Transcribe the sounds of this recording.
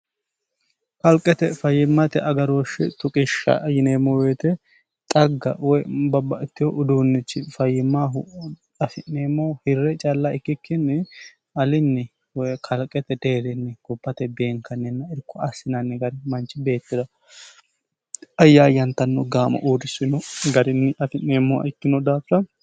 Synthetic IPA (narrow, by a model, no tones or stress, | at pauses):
kɐlkʼːɛt̪ɛfɐjːɪmːɐt̪ɛʔɐɡɐɾoːʃɪt̪ʊkʼɪʃːɐ̰jɪneːmːɔweːt̪ɛ | t̪ʼɐɡːɐ̰wɔjbɐbːɐɪt̪ːɪjɔʔʊd̪uːnːɪt͡ʃːɪfɐjːɪmːaɦʊt̪ʼɐfɪneːmːɔhɪrːɛt͡ʃʼalːaɪkːɪkːɪnːɛ | ɐlɪnːɛ | wɔjkʰɐlkʼːɛt̪ɛd̪e̞ːɾɪnːɛɡ̥ɔbːɐt̪ɛbeːŋkʰɐnːɛnːɐɪɾkːɔɐsːɪnɐnːɛɡɐɾɪmɐnt͡ʃːɪbe̞ːt̪ːɪd̪ɐ | ɐjːaːjɐnt̪ːɐnːɔɡaːmɐ̰ʔuːɾɪsɪnɔɡɐɾɪnːɪɐfɪnneːmːɔɐ̰ɪkːɪnɔd̪aːfɐ